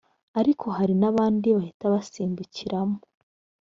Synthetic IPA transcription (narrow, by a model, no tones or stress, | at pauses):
aɾikʰo̞haɾinaβaːndiβahitaβasiːmbuciɾamo